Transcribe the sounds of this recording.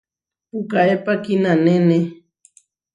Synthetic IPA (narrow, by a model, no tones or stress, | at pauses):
pukaepakinanene